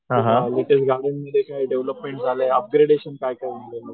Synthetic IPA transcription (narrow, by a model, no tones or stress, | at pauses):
ɦãɦaaliʈʰet͡sɡʱaɽeɳməd̪ʱːjekaiɖeʋləpmẽɳʈd͡zʱaleəp̚ɡɾeɽeɕənkajkəɾmilemə